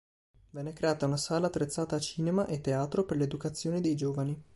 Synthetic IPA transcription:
vɛnːɛkɾeaːt̪aunasaːlaːt̪ːɾet̪sːaːt̪aːt͡ʃiːnemaʔet̪ːeaːt̪ɾoperled̪ukat̪sːjoːnid̪ejd͡ʒoːvani

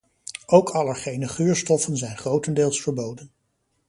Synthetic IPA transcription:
ʔowkʰɑləχejnəχyːɹstɔfənzɛjnχrowtəndɪːlˠsfəɹbowdən

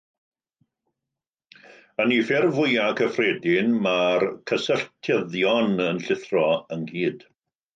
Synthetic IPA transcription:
ənifɪrvʊjakʰəfrɛːdɪnmarkʰəsəɬtʰjəðjɔnənɬɪθrɔənɡiːd̥

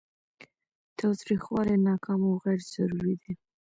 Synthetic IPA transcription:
t̪ɑwt̪ɾixwɑlenɑkʰɑmawɣaɽz̥aɾuɾid̪i

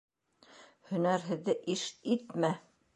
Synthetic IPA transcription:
hɵ̆næɾɦɘ̆ðːɘʔiʃit̪mæ

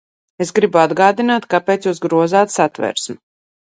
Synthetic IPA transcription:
esɡɾibuad̪ɡaːd̪inaːt̪kapeːt̪sjuːsɡɾuɔzaːt̪sat̪vɛ̰ɾsm

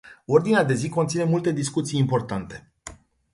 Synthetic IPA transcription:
o̞rd̪inead̪e̞ziko̞nt̪sine̞mult̪e̞d̪iskut̪sijːimpo̞rt̪ant̪e̞̥

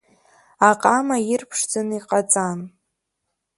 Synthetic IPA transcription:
aqʼamajɪrpʰʂd͡zɨniqʼat͡sʼan

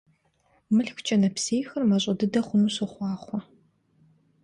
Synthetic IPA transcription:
mɨɬxʷʊt͡ʃʰʼɐnɐpseːjxɐrmɐɕ̬ʼɐdɨdɐχʷʊnuːɕɨχʷɑːχʷɔ

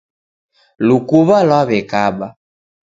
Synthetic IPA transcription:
lukuβalwaβɛkaɓa

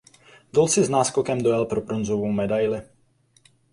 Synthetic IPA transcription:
d̪olsɪznaːskokɛmd̪ojɛlpɾopɾonzovowmɛdajlɪ

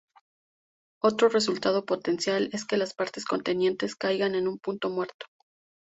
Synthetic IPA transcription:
o̞t̪ɾo̞re̞s̬ult̪að̞o̞po̞t̪e̞nsjale̞ske̞laspaɾt̪e̞sko̞nt̪e̞nje̞nt̪e̞skajɣane̞nũmpunt̪o̞mwe̞ɾt̪o̥

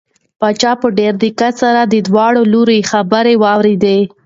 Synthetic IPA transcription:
pɑt͡ʃɑpəɖeɾd̪ikasaɾad̪əd̪wɑɽoloɾexabəɾewɑwɾed̪e

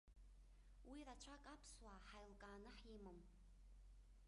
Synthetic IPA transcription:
wirat͡ʃʷʰakʼapʰswaħajlkʼaːnɨħimɨm

